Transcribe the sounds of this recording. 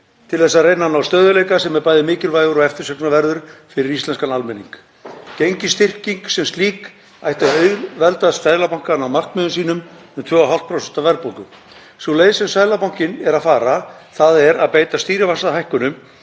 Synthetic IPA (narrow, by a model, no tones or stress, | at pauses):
t̪ʰɪlθɛsːaðrejnanawst̪œːðʏlejkasɛmɛɾpaːjðɪmɪːcɪlvajɣʏɾɔɛft̪ɪɾsɛknavɛɾðʏɾ̥fɪɾɪɾist̪lɛnskanalmɛnḭŋk | cejɲcɪst̪ɪr̥ciŋksɛmst̪liːk | ajht̪aœɥɣlvɛlt̪aðssaːjlapawŋ̥kanawmar̥kmʏːðʏs̬iːnʏm | ɛmt̪ʰvœːawɦal̥t̪pʰɾɔsɛst̪avɛɾðpowŋkʏm | sulejðɪsɛmsaːjlapawŋ̥cɪnɛɾaðfaːɾaθaðɛɾaðpeːjt̪ast̪iːɾɪvasaðaɦajhkʏnʏm